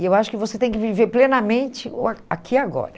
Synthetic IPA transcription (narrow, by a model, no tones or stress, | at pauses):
ɪewaʃʊ̥kɪvoset̪ẽj̃kɪviveɾplẽnɐmẽnt͡ʃɪo̰aa̰kʰiaɡɔ̰ɾɐ